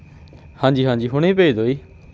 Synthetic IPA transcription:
hãːnd͡ʒiːɦãːd͡ʒiːɦoːɽ̃eːpeːiːd̪oːiː

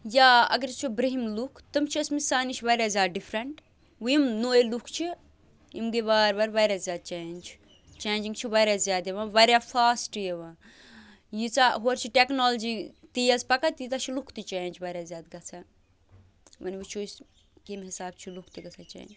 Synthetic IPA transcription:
jaːɐ̰ɡɐɾt͡ʃʰibɾɐɦimlukʰt̪ɐmt͡ʃʰiɐsmisaːniʃʋɐɾʲjaːzʲaːd̪̚ɖifʰɾɐɳʈ | ʋujimnoːjilukʰt͡ʃʰi | imɡiʋaːɾbɐɾʋɐːɾʲaːzʲjaːd̪̚t͡ʃeːnʲt͡ʃʰ | t͡ʃeːnʲd͡ʒiŋɡt͡ʃʰiʋɐːɾʲjaːzjaːd̪jeʋãːʋɐɾʲjafaːsʈjeʋãː | jit͡saːɦoːɾt͡ʃʰiʈeknoːld͡ʒiːt̪ijɐspɐkɐt̪jit̪ɐt͡ʃʰilukʰt̪it͡ʃeːnt͡ʃʰʋɐɾʲjaːzʲjaːd̪ɡɐt͡sʰa | ʋɐnʋut͡ʃʰos | kemɦisaːb̚t͡ʃʰilukʰt̪iɡɐt͡sʰaːt͡ʃḛːnd͡ʒ

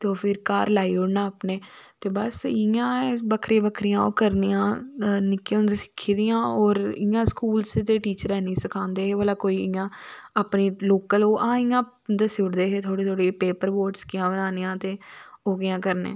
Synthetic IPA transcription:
t̪eːoːpʰɪɾkaːɾlaːiːʊɽnaːpneːt̪eːbəsɪãːbəkʰɾeːbəkʰɾɪjãːo̰ːkəɾnijãːnɪkeʊnd̪esɪ̥kʰːiːd̪ɪjãːɔːɾɪjãːskuːlst̪eːʈiːt͡ʃəɾɛːnĩːsəkʰãːnd̪eːɦeːʋəlaːkoːiːɪjãːapniːloːkəloːʔãːɪjãː | d̪esɪɽd̪eːɦeːt̪ʰoːɽiːt̪ʰoːɽiːpeːpəɾboːʈskɪjãːbənaːnijãːt̪eːoːɡɪjãːkəɾnḛ̃ː

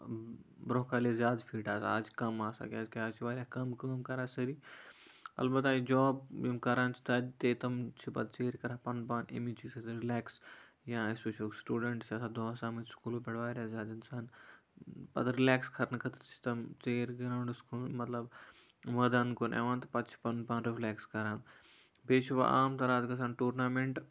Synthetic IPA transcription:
bɾoːkaːliezjaːd̪fʰiːʈaːsa̰ːd͡ʒkɐmaːsa̰ːkʲaːzkaːt͡ʃʰiʋaːɾʲjakɐmkɐmkɐɾaːsɐɾiː | ɐ̰lbɐt̪aːid͡ʒɔːbjimkɐɾaːnt͡ʃʰi̥t̪ɐdt̪eːt̪ɐmt͡ʃʰipɐ̰d̪̚t͡ʃeːɾkɐɾapɐnpaːnḛmit͡ʃisɐt̪ɾilɛːks | jaːespeʃɐlsʈuːɖeɳʈsaːsad̪oːsaːmɐt̪skuːloːpɛɽɐʋaːɾɐzaːd̪insaːn | pɐ̰d̪ɾilaːkskʰɐɾnɐkʰɐt̪t͡ʃʰi̥t̪ɐmt͡ʃeːɾɡɐɾaːɳɖskuːlmɐt̪lɐb | ʋɐd̪ankonʔḛʋaːnt̪ɐpɐt̪t͡ʃʰi̥pɐnpaːnɾiflʲaːkskɐɾaːn | beːt͡ʃiʋa̰ʔa̰ːmt̪ɐɾaːt̪ɡɐs̬aːnʈuːɾnaːmeɳʈ

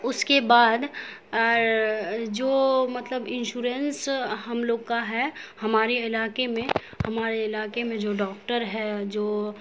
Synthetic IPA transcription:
ʊskebaːd̪ | d͡ʒoːmɐt̪ləbɪ̃nʃuːɾensɦɐmloːɡkaɦɛhɐmaːɾeɪlaːkemẽ | hɐmaːɾeɪlaːkemẽd͡ʒoːɖɔːkʈəɾɦɛd͡ʒoː

